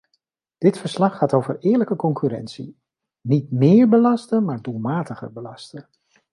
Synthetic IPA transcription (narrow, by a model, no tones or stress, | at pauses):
d̥ɪtfəɹslɑχːaːtowvə̰ɹɪːɹləkəkɔŋkyɾɛ̰nsḭ | nit̚mɪːɹbəlɑstəmaːɹdulˠmaːtəχə̰ɹbəlɑstən